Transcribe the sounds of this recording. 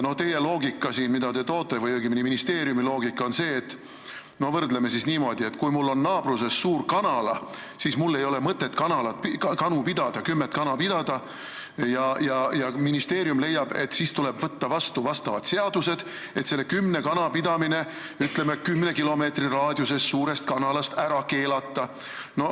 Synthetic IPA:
no̞t̪e̞je̞lo̞ːɡikːˑɑsiːnmid̪ɑt̪e̞t̪o̞ːt̪ːˑevɯjoɡiminiminist̪e̞ːɾjumilo̞ːɡikːˑo̞nse̞ːt̪ːˑ | no̞vɤrd̪leme̞sisniːmo̞d̪̥ie̞t̪ːkujmulːo̞nːɑːb̥ruse̞sːuːrkɑnɑlɑ | sismulːe̞jo̞le̞mɤt̪ːet̪ːkɑnɑlɑt̪̚pkɑnupid̪̥ɑd̪̥ɑkymːet̪kɑnɑpid̪̥ɑd̪̥ɑ | jɑjɑjɑminist̪e̞ːɾjumle̞jːɑb̥e̞̰t̪ːsiːst̪ule̞b̥vɤt̪ːɑvɑst̪uvɑst̪ɑvɑt̪se̞ɑd̪̥use̞d̪̥ | e̞t̪se̞lːekymːne̞kɑnɑpid̪̥ɑmine̞ | yt̪ːˑle̞mekymːne̞kilo̞me̞ːt̪rirɑːd̪̥ʲjuse̞sːuːɾe̞st̪̚kɑnɑlɑst̪æɾɑke̞ːlɑt̪ːɑ | no̞

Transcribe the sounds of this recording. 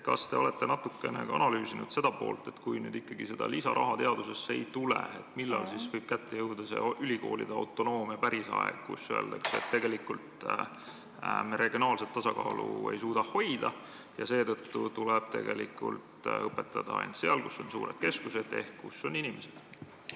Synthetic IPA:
kɑst̪e̞o̞let̪ˑːe̞nɑt̪ːˑukːˑe̞neɑ̰nɑlyːsinud̪̥se̞d̪̥ɑpo̞̰ːlt̪ˑe̞t̪kujny̰ːd̪ikːɑɡise̞d̪̥ɑlisɑɾʔɑ̰ɦɑt̪e̞ɑd̪use̞sːeejt̪ulḛet̪milːɑlsisvɤjb̥kæt̪ːejɤwd̪ɑse̞̰ylʲiko̞̰ːlid̪eɑwt̪ˑːo̞no̞ːmjɑpæɾisɑ̰ḛɡ̥̚kṵsːøḛld̪ɑksḛt̪ːe̞ɡe̞likult̪ | mɾe̞ɡjonɑːlset̪ːɑsɑkɑːlṵe̞̰jsuːd̪ɑho̞jd̪̥ɑ | jɑse̞ːt̪ɤt̪ːut̪uleb̥̚t̪e̞ɡ̥e̞likṵlt̪ɤpːˑet̪ːɑd̪ɑɑ̰jnt̪se̞ɑlkusːo̞nsuːɾed̪̥̚ke̞skuse̞d̪̥e̞hkkːusːo̞ninimesed̪̥

